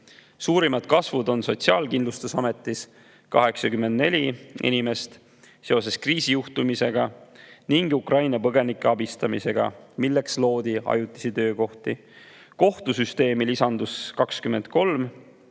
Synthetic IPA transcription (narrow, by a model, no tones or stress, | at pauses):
suːɾimɑd̪̥kɑsvud̪o̞nso̞t̪siɑːlkind̪lust̪usɑme̞t̪ːˑis | kɑ̰ɦe̞ksɑkyme̞nd̪ne̞̰lʲiʔḭnʲime̞st̪ | se̞o̞s̬e̞skriːsijuht̪umise̞ɡ̥ɑniŋɡ̥ukrɑjnɑpɤɡ̥e̞nikːeɑbist̪ɑmise̞ɡ̥ɑ̰milːe̞kslo̞ːd̪̥iɑ̰jut̪ːˑi̥sit̪ø̞ːko̞ht̪i | ko̞ht̪usyst̪e̞ːmilisɑnd̪̥uskɑkskyme̞nd̪̥̚ko̞lm